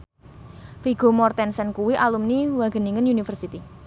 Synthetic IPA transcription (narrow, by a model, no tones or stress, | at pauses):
fiɡ̥o̤mɔrt̪ɛnsɛnkuwiʔalumniwaɡ̥ə̤niŋənunifərsit̪i